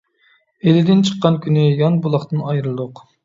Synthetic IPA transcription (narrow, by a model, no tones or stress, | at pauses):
elɪd̪ɪnt͡ʃʰə̥qːɑnkʲʰynɪjɑnbulˠɑχt̪ɨnɑjɾɨlˠd̪oq